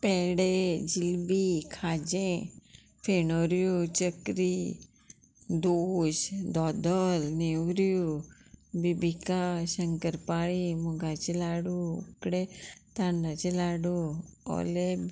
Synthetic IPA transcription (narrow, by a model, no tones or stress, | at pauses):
pɛɦɽed͡ʒilbikʰaːd͡ʒẽ | pʰenoːɾjot͡ʃəkɾi | d̪oːʃd̪ɔːd̪əlnewɾju | bibikaʃəŋkəɾpaːɭimuɡat͡ʃilaːɽuṵkɽet̪aɳɖat͡ʃelaːɽuɔ̰leb